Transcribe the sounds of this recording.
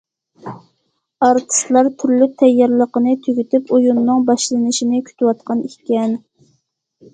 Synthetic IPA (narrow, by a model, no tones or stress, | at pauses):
ɑɾt̪ʰɨ̥st̪lˠɑɾt̪ʰyɾlyt̪ʰɛjːɑɾlˠəqənɨt̪ʰøɡʲyt̪ypojunːɨŋbɑʃlˠɨnɨʃinɪkʲʰy̥t̪ʰywɑt̪qʰɑnikʲɛn